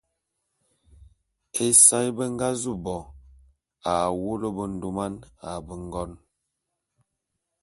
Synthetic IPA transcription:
e˦sa˦jbə˦ŋ˦ɡa˦zu˦˨bɔ˨ | a˨wo˦lə˦bə˨n̩˦˨du˦ma˦na˨bə˨ŋ˦ɡɔ˦n

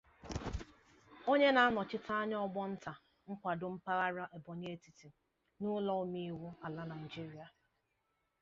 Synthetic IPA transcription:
o˦ɲe˦na˨a˦nɔ˨t͡ʃɪ˦tʰa˦a˦ɲ˦ɔ˦ɡ͡bɔ˦n̩˦ta˨ | ŋ̩˦kʷa˨dʊ˦m̩˦pa˦ɣa˦ɾa˦ʔe˨bɔ˨ɲe˦e˦ti˨ti˨ | nʊ˦lɔ˦o˦mi˦wu˦a˨la˦na˨i˨d͡ʒi˦ɾi˦a˨

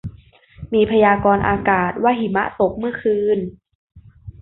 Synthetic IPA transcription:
miː˧pʰa˧jaː˧kɔː˧nʔa̰ː˧kaː˨˩t̪̚wa˦˥˨ɦi˨˩˦ma̰˦˥t̪o˨˩k̚mɯ˥˩ɐkʰɯː˧n

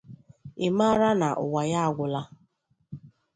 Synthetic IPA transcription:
ɪ˨ma˦ɾa˦na˨ʔʊ̰˨wa˨ja˦a˨ɡʷʊ˨la˦

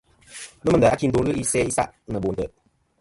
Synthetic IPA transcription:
n˦mə˨də˨a˨˦ki˦n˦do˨˦lɨ˦i˦sɛ˦i˦sa̰˦ʔnə˨bo˨n˨də˨ʔ

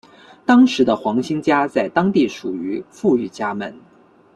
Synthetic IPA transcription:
t̪ɑ˥ŋʂɻ̩˧˥d̪ə˧xwɑ˧˥ŋɕi˥ŋt͡ɕja˥t͡sa˥˩ɪt̪ɑ˥ŋt̪i˥˩ʂu˨˩y˧˥fu˥˧y˥˩t͡ɕja˥mə̰˨˩n

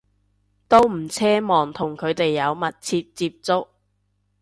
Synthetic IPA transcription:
t̪o˥wm̩˨˩t͡sʰɛː˥mɔː˨ŋt̪ʰʊ˨˩ŋkʰɵ˨˧ɥt̪e˨jːɐ˨˧wmɐ˨t̚t͡sʰiː˧p̚t͡siː˧p̚t͡sʊ˥k̚

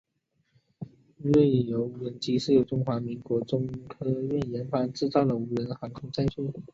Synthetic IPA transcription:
ɻe˥˩ɪjo˧˥ʊu˧˥wə˧˥nt͡ɕi˧˥ʂɻ̩˥˩jo˧˥ʊʈ͡ʂʊ˥ŋxwa˧˥mi˧˥ŋkwɔ˧˥ʈ͡ʂʊ˥ŋkʰɤ˥ɥɛ˥˩njɛ˧˥nfa˥nʈ͡ʂɻ̩˥˧t͡sɑ˥˩ʊd̪ə˩u˧˥lə˧˥nxa˧˥ŋkʰʊ˥ŋt͡sa˥˧ɪt͡ɕʰɛ˥˩

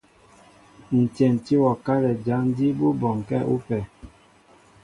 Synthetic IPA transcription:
n̩˨tjɛ˨n̩˨ti˦wɔ˨ka˦lɛ˨d͡ʒa˨˦ŋ˦di˦bu˦bɔ˨ŋ˨kɛ˦ʔṵ˦pɛ˨

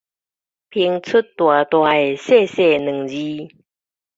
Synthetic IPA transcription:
pʰi˧˦ŋt͡sʰu˦tt̪wa˨˩t̪wa˨˧˩e˨˩se˥˧˨se˥˧˨nɨ̃˨˩ŋd͡ʑi˦

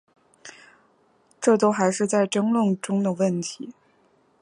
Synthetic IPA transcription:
ʈ͡ʂɤ˥˩t̪o˥ʊxa˧˥ɪʂɻ̩˥˧t͡sa˥˩ɪʈ͡ʂɤ˥ŋlə˥˩ŋʈ͡ʂʊ˥ŋd̪ə˨wə˥˩nt̪ʰi˧˥

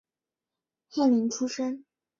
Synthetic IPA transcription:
xjɛ˥˩nli˧˥ŋʈ͡ʂʰu˥ʂə˥n

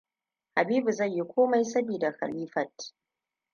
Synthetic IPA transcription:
ha˨biː˦bu˨zɐ˦˨ɲji˦kʷʰoː˦ma˦jsɐ˦biː˨da˨xa̰˨liː˦fɐ˨t̚

